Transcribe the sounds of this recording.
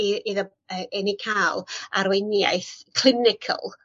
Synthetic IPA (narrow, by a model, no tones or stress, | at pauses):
iiðə | əɛnikʰaːlˠa̰ɾwenja̰ɨθkʰl̥ˠɪnɪkʰə̰lˠ